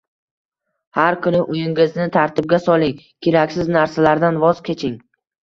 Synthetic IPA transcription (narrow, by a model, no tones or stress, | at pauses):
haɾkʲʰʊnɪʔʊjɪŋɪznɪt̪ʰaɾt̪ʰɪb̚ɡʲasɒlˠɪŋ | kʲʰeɾakʲsɪznaɾsalaɾd̪anvɒz̥kʲʰe̞t͡ʃʰɪŋ